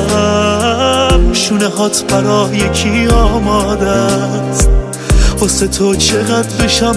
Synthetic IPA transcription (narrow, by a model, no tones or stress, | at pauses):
mʃuneɦɒːt̪ʰbæɾɒːjekʰiɒːmɒːd̪æs | oset̪ʰot͡ʃʰeɣæd̪beʃa